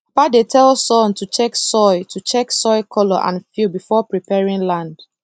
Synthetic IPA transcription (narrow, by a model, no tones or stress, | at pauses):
padetʰɛlsɔ̃ntut͡ʃɛksɔɪtut͡ʃɛksɔɪkʰɔlɔʔã̰nfubifɔpɹipɛɹĩŋlãnd̥